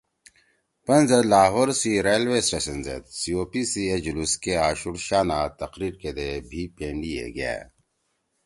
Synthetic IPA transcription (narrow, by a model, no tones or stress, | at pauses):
pɐnzelaːɦoːɾsiɾeːjlʋesɾesɐnzḛt̪sioːpisied͡ʑuluskeaːɕuɽʃaːnaːt̪ɐqɾiːɾked̪ebʱipẽːɳɖijḛɡɐ̰jḛː